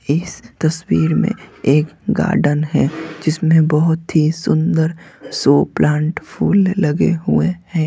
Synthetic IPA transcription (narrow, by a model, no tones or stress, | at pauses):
ɪst̪ɐswiːɾmḛ̃eːkɡa̰ːɾɖənɦɛd͡ʒɪsmẽbəɦʊt̪ɦisʊ̃nd̪əɾsoːplãːɳʈpʰuːlːɐɡḛɦʊehɛ̃ː